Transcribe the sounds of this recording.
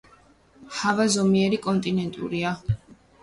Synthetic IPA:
havazɔmiɛɾikʼɔnt̪ʼinɛnt̪ʼṵɾia

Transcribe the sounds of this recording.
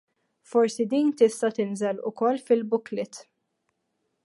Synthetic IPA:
fɔɾsid̪iːnt̪ɪst̪ɐt̪ɪnzɛlʊ̰kɔlːfɪlbʊklɪt̪

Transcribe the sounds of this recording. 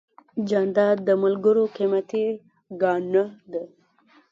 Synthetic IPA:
d͡ʒand̪ɑd̪d̪ːəmalɡəɾoqimat̪i | ɡɑnəd̪e

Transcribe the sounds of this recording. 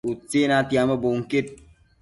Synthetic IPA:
ut͡senatiamɐboŋket̚

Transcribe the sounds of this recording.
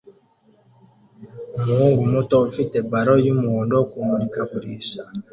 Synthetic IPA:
muŋɡumutoufitebaɾojumundɔkumuɾikaβuɾiʃa

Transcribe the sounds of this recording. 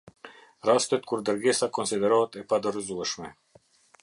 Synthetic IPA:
ɾast̪ɛt̪̚kuɾd̪əɾɡɛsakɔnsid̪ɛɾɔt̪ɛpad̪əɾzuɛʃmɛ

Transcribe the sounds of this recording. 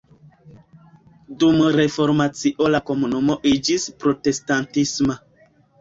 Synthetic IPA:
dumɾe̞fo̞ɾmat͡siʔolako̞munumoʔid͡ʒispɾo̞te̞stantisma

